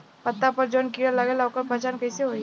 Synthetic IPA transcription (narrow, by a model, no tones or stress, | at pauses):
pɐt̪ːapɐɾd͡ʒoːnkiːɽəlɐɡelawkəɾpɐt͡ʃaːnkɐiseɦoːi